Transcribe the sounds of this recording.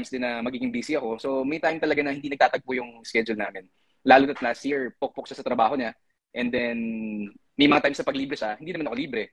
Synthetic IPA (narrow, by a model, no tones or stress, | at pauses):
jmsd̪ɪnːɐmɐɡiːɡɪŋbiːsiɐko̞so̞mɐjt̪ajmt̪ɐlɐɡanɐhɪnd̪iːnɐɡ̚t̪aːt̪ɐɡ̚pʊjʊŋskɛd͡ʒʊlnaːmɪn | laːlut̪ɐt̪̚laːsjiɹpok̚pok̚ʃasɐt̪ɾɐbaːɦo̞ɲa | ʔɛnd̪ɛn | mɐjmɐŋat̪ajmsnɐpɐɡliːbɾɛʃɐhɪninɐmanɐkoliːbɾɛ